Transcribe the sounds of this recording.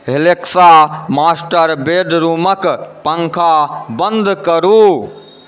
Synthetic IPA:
ɦeleksamaːsʈəɾbeɖɾuːməkpəŋkʰabə̃nd̪kəɾu

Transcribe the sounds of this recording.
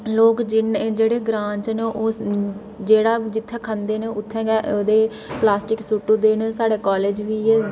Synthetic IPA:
loːkd͡ʒɪnd͡ʒeːɽeːɡɾãːɲt͡ʃneʔoː | d͡ʒeːɽaːd͡ʒɪt̪ʰːɛːkʰə̃nd̪eːneːʊt̪ʰːɛ̃ːɡɛːʔoːd̪eː | plaːsʈɪksuːʈːuːd̪eːnsaːɽeːkaːleːd͡ʒʋiːɛː

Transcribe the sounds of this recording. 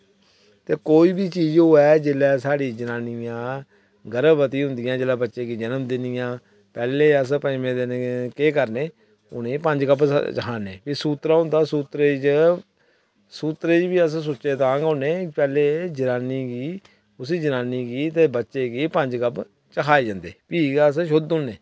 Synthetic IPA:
t̪eːkoːiːbiːt͡ʃiːd͡ʒɦoːɛːd͡ʒelɛːsaːɽiːd͡ʒənaːnɪjãː | ɡəɾəbbət̪ĩːɦʊ̃nd̪ɪjãːd͡ʒeːlaːbətːʃeːkiːd͡ʒənəmd̪ɪnɪjãː | pɛːleːəs̬pəɪmẽːd̪ɪnkeːkəɾneː | ʊ̰neːpəɲd͡ʒkəpt͡ʃəkʰaːneːpiːsuːt̪ɾaːɦʊ̃nd̪aːsuːt̪ɾeːt͡ʃ | suːt̪ɾeːd͡ʒbiːəss̬ʊtːʃeːt̪ãːɡʊneːpɛːleːd͡ʒənaːniːɡiː | ʊs̬iːd͡ʒənaːniːkiːt̪eːbətːʃeːkiːpəɲd͡ʒkəp | t͡ʃəkʰaːeːd͡ʒãnd̪eːpiːɡsʃʊd̪ʊnːeː

